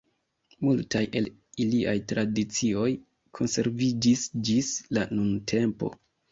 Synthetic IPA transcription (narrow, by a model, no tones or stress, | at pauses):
multajʔe̞l | iliʔajtɾʔadit͡sio̞j | kʰo̞nse̞ɾvid͡ʒisd͡ʒislanuntʰe̞mpo̞̰